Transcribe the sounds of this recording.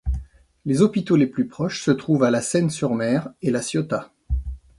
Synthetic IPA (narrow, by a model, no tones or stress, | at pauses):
lezɔpit̪oleplypχɔʃsət̪χuvalasɛnsyʁmɛːʁelasjɔt̪a